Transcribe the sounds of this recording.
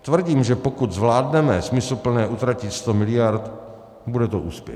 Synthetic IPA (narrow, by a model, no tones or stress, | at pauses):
t̪vr̩ɟiːmʒɛpo̞kut̪zvlaːdnɛmɛsmɪsl̩pl̩nɛːʔut̪ɾacɪt̪st̪omɪlɪjaɾt̪ | budɛt̪oʔuːspjɛ̰